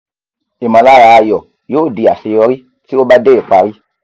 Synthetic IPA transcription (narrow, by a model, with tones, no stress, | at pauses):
i˨mã˨la˦˨ɾa˧˨jɔ˨ | jo˦˨di˨a˨si˧jɔ˧ɾi˦ | ti˦o˦ba˦de˦e˨k͡pa˨ɾi˦